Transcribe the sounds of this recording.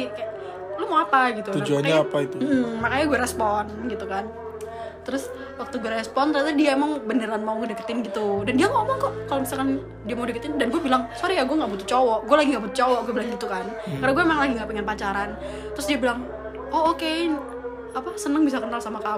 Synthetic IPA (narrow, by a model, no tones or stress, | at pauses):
ika | lumawapaɡit̪ut̪ud͡ʒuanaapait̪um̩m̩makaɲaɡuaɾɛspɔnɡit̪ukan | t̪əɾʊs | wak̚t̪uɡuaɾɛspɔnt̪ɾat̪adiaemaŋbənəɾanmauŋɡadəkə̥t̪ɪnɡit̪udandiamamaŋkɔʔkalomisalkan | diamaudikət̪ɪndanɡuabilaŋsoɾijaɡuaŋɡaʔbut̪ut͡ʃɔwɔʔɡualaɡiŋɡabut̪u̥t͡ʃɔwɔʔɡuabilaŋɡit̪ukankaɾnaɡuamemaŋlaɡiŋɡaʔpəŋənpat͡ʃaɾan | t̪ɾʊsdiabilaŋ | ɔoken | apasənəŋbisakənalsamaka